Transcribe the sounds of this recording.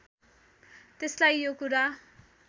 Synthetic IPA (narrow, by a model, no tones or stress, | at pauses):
t̪eslajjokuɾa